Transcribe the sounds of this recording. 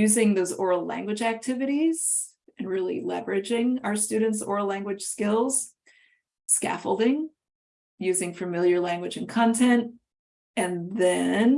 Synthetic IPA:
jʉzɪ̃ŋðoʊzɔɹl̩ˠlæ̰̃ŋɡwɨd͡ʒæk̚tʰɪvɨɾiz̥ | ɨ̃nɹɪlˠḭlɛ̰və˞ɨd͡ʒɪ̃ŋaʊə˞stʉdⁿn̩tsɔ̰ɹl̩ˠlæ̃ŋɡwɨd̥ʒ̥skɪlˠz̥ | skæ̰fl̩ˠdɪ̃ŋ | jʉzɪ̃ŋfɨmɪlˠjə˞læ̃ŋɡwɨd͡ʒɨ̃nkʰɑ̃ntʰɛ̃nt̚ | ɨ̃nðɨ̃n

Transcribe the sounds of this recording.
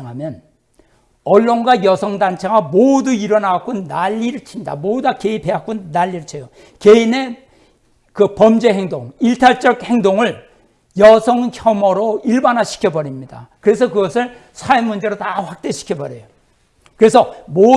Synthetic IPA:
ŋɦamjʌn | ʌɭːonɡwajʌsʰʌŋdant͡ɕʰeɡamoduiɾʌnaak͈onaʎːiɾɯt͡ɕʰiɲida̰modakeipʰe̞ak͈onaʎːiɾɯt͡ɕʰejo | keine̞ | kɯpʌmd͡ʑe̞ɦeŋdoŋiɭtʰaɭt͡ɕ͈ʌɡ̚he̞ŋdoŋɯɭ | jʌsʰʌŋçjʌmʌɾoiɭbanɦaɕʰi̥kʰjʌbʌɾimɲida̰kɯɾe̞s̬ʰʌkɯɡʌsʰɯɭ | sʰaemund͡ʑe̞ɾotaɸwak̚t͈e̞ɕʰi̥kʰjʌbʌɾejo | kɯɾe̞sʰʌmo

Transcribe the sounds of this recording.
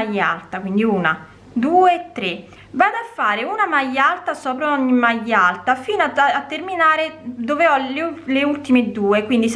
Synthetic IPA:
ajːa̰lt̪akwind̪iuːna | d̪uːet̪ːɾe | vaːd̪afːaːɾeunamajːalt̪asɔːpɾoɔɲːimajːalt̪afiːnat̪ːerminaːɾed̪oveɔleleult̪imed̪uːekwind̪is

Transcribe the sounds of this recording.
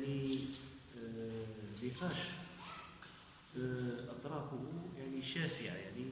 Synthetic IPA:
ni | biqɑʃ | ʔɑt̪ˤɾˤɑfʊhjaʕniʃæsəʕa̰jaʕni

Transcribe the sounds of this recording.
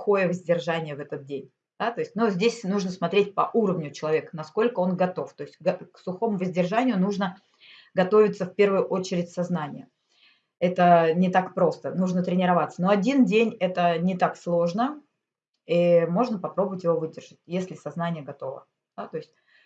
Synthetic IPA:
xo̞jəvəzʲdʲɪrʐanʲɪjəvɛt̪ət̪̚dʲenʲ | d̪̥at̪o̞ɪsʲt̚ʲnuzʲdʲesʲnuʐnəsmɐt̪ɾʲet̚ʲpɐʔuɾəvnʲʊt͡ɕɪlˠɐvʲekənɐsko̞lʲkəo̞nɡɐt̪o̞ft̪o̞ɪsʲtʲɡɐksʊxo̞mʊvəzʲdʲɪrʐanʲɪjʊnuʐnə | ɡɐt̪o̞vʲɪt̪səfʲpʲe̞rvɨjʊʔo̞t͡ɕɪɾʲɪtʲsɐznanʲɪ̰jə | ɛt̪ənʲɪt̪akpɾo̞st̪ənuʐnət̪ɾʲɪnʲɪɾɐvat̪səno̞ɐdʲindʲenʲɛt̪ənʲɪt̪akslˠo̞ʐnə | imo̞ʐnəpɐpɾo̞bəvətʲjɪvo̞vɨdʲɪrʐ̥ɨtʲjesʲlʲɪsɐznanʲɪjəɡɐt̪o̞və̰ | d̪̥at̪o̞ɪsʲt̚ʲ

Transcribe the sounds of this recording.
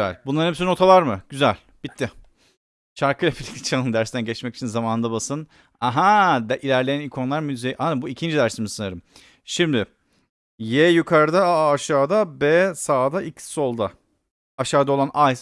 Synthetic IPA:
æ̰lʲbunˠaɾnhesino̞t̪ʰalˠaɾmɯɟ̥yzælʲ | b̥it̪ʰːɪ | t͡ʃʰaɾkɯjlʲapʰilʲict̪ʰi̥t͡ʃʰanˠɯnd̪æɾst̪ʰænɟɛt͡ʃmɛci̥t͡ʃʰinzamaːnɯnd̪abasɯn | aɦad̪ʔilʲæɾlʲe̞jænikʰo̞nlˠaɾmyzejʔabuicʰind͡ʒid̪æɾsimizsɯnaɾɯm | ʃimd̪ɪ | jɛjykʰaɾd̪aːʃaːd̪abɛsaːd̪aicsːo̞lˠd̪a | aʃaːd̪ao̞lˠanaj

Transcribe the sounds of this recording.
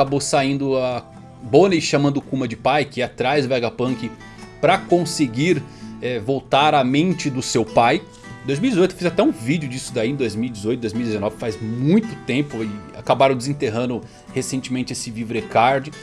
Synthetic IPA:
abosaĩnd̪ʊa | bonejʃamɐ̃nd̪ʊkũmɐd͡ʒɪpajkɪɛat̪ɾajzd̪ʊvaɡapɐ̃kɪ | pɾɐkõsɪɡiɾɛvowt̪aɾɐmẽnt͡ʃɪd̪ʊsewpaj | d̪ojzmiwid͡ʒɪzojt̪ʊ̥fizat̪ɛũvid͡ʒɪʊd͡ʒisʊd̪aĩẽd̪ojzmiwid͡ʒɪzojt̪ʊd̪ojzmiwid͡ʒɪzenɔvɪfajzmũj̃t̪ʊt̪ẽpʊɪa̰kabaɾɐ̃w̃d͡ʒ̪ɪzẽt̪eɦɐ̃nd̪ʊ | hesẽnt͡ʃɪmẽnt͡ʃɪesɪvivɾekaɾd͡ʒɪ

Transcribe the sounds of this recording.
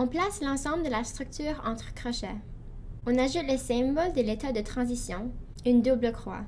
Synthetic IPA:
ɔ̃plaslɑ̃sɑ̃bləd̪əlast̪χyk̚t̪ʰyːʁɑ̰̃t̪χəkχɔʃɛ | ɔ̃naʒut̪lesɛ̃mbɔld̪əlet̪ad̪ət̪χɑ̃zisjɔ̃ | ynd̪ubləkχwa̰

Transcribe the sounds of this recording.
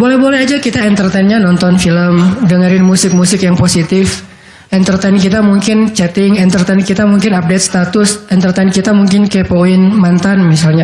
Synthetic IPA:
bolɛhbolɛɦad͡ʒakit̪aɛnt̪ərt̪ɛnɲanɔnt̪ɔnfiləmdəŋaɾɪnmusɪk̚musɪkjaŋposit̪ɪf | ʔɛnt̪ərt̪ɛnkit̪amuŋkɪnt͡ʃɛt̪ɪŋɛnt̪ərt̪ɛnkit̪amuŋkɪnap̚det̪̚st̪at̪ʊsʔɛnt̪ərt̪ɛnkit̪amuŋkɪnkepoɪnmant̪anmisalɲa

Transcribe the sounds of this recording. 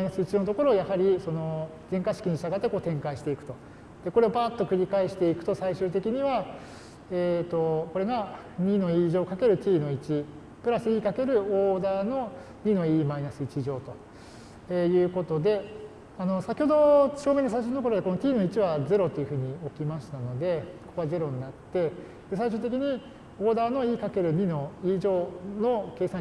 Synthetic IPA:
inasɨit͡ɕino̞t̪o̞ko̞ɾo̞ːjahaɾʲiso̞no̞ | zẽ̞ŋkaɕi̥kʲiɲiɕt̪aɡat̪ːeko̞ːt̪ẽ̞ŋkaiɕi̥t̪e̞ikɯ̟̥t̪o̞ | d̪̥e̞ko̞ɾe̞obaːt̪ːo̞kɯ̟ɾʲikaeɕi̥t̪e̞ikɯ̟̥t̪o̞saiɕɨːt̪e̞kʲiɲ̟iβa | et̪o̞ko̞ɾe̞ɡa | ɲ̟ino̞iːʑo̞ːkake̞ɾɯ̟t̪ʲiːno̞it͡ɕi | pɯ̟ɾasɨiːkake̞ɾɯ̟oːd̪aːno̞ | ɲ̟ino̞iːmainasɨit͡ɕiʑo̞ːt̪o̞ | eːjɯ̟ːko̞t̪o̞d̪e̞ | ano̞sakʲiho̞d̪o̞ɕo̞ːmenːosaiɕ̬onːt̪okoɾod̪eko̞no̞t̪ʲiːno̞it͡ɕiβad͡ze̞ɾo̞t̪o̞iɯ̟ɸɯ̟ːɲ̟io̞kʲimaɕi̥t̪ano̞d̪e̞oko̞̥koaze̞ɾo̞ɲ̟inat̪ːe̞ | d̪̥e̞saiɕ̬ɨːt̪e̞k̬ʲiɲ̟i | o̞ːd̪aːno̞iːkake̞ɾɯ̟ɲ̟ino̞iːʑo̞ːno̞ke̞ːsã

